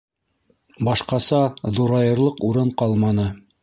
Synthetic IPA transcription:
bɑʃqɑsɑðuɾɑjɤ̆ɾlˠɤquɾɤɴqɑlˠmɑnɤ

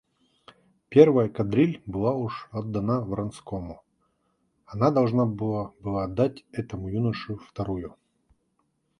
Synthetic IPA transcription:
pʲervəjəkɐd̪ɾʲilʲbɨlˠauʂɐd̪ːɐnavrɐnskomʊ | ɐnad̪ɐlˠʐnabɨabɨlˠad̪ːatʲɛt̪əmʊjunəʂʊft̪ɐɾujʊ

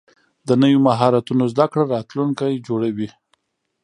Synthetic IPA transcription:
d̪ənəwjomaɦɑɾat̪unozd̪akɽaɾɑt̪luŋkajd͡ʒoɽawi

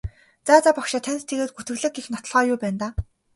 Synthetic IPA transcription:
t͡saːt͡saːpɔkʃɪ̆t̪ʰænʲst̪ʰeɣeːt̪̚ɡut̪ɘ̆ɣɮɘ̆k̚ɡexnɔt̪ɞ̆ɮʁɔːjʊːpæːnt̪aː

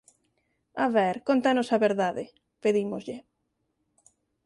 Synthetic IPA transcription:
aβɛɾkont̪anosaβeɾðaðe | peðimozʎe

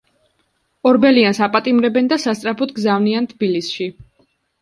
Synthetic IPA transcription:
ɔɾbɛliansapʼat̪ʼimɾɛbɛnd̪asast̪sʼɾapʰɔt̪ʰɡzavniant̪ʰbilisʃi

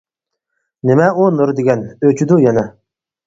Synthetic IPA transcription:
nemɛunoɾd̪eɡʲɛnøt͡ʃʰyd̪ujɛnɛ

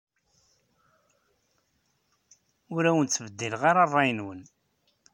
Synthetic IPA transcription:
ʊɾæwənt͡sːvəd̪ːilʁaɾɑrˤːɑjənwən

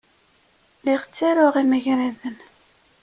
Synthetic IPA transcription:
lɪʁt͡sːæɾʊʁimæʝɾæðən

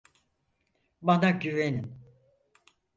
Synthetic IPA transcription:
banaɟyvenim

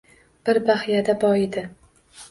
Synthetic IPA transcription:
b̥ɪɾbahjad̪abɒɪd̪ɪ

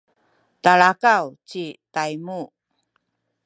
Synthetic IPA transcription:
taɭakawt͡ɕitajmu

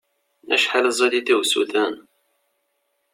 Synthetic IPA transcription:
æ̰ʃħaləzˤæd̪iθiwsṵθæn

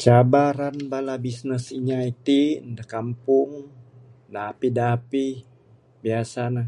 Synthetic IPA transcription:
t͡ʃabaɾanbalabisnəsiɲait̪indakampʊŋ | dapidaːpi | biasana

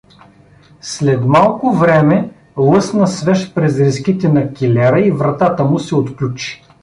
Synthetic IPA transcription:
slɛt̪malˠkʊvɾɛmɛ | lˠɤsnɐsvɛʃpɾɛzɾiskit̪ɛnɐkʲilɛɾəivɾɐt̪at̪əmʊsɛot̪klʲut͡ʃi̥

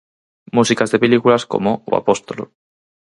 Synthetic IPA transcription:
musikazðe̞pelikulasko̞̰mowa̰po̞st̪olo̰

